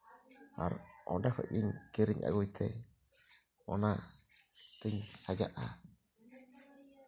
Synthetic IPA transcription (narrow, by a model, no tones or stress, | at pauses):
a̰ɾʔɔɖakʰɔ̰ʔ̚iɲkiɾiɲʔa̰ɡujt̪ʰɛ̰ | ɔna | t̪ɯɲsad͡ʒaʔa